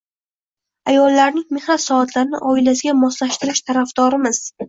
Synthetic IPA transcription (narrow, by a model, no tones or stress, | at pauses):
ajɒlːaɾnɪŋme̞χnat̪sɒat̪ʰlaɾɪnɪ̰ʔɒɪlasɪɡʲamɒslaʃt̪ɪɾɪʃt̪ʰaɾafd̪̥ɒɾɪmɪz̥